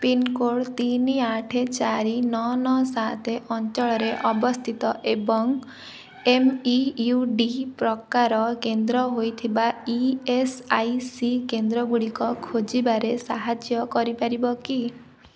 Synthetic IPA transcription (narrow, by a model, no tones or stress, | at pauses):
pinkoɽt̪iniaʈʰet͡ʃaɾinɔnɔsat̪ʰeʔɔnt͡ʃɔɭɔɾeʔɔbɔst̪ʰit̪ɔʔebɔŋ | emiuɖipɾɔkaɾɔkend̪ɾɔɦojt̪ʰibaiesajsikend̪ɾɔɡuɽikɔkʰod͡ʒibaɾesaɦad͡ʒjɔkɔɾipaɾibɔki